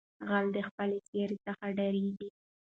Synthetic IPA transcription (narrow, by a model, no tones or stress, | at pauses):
ɣald̪əxpəleseɾet͡səxaɖaɾeɡi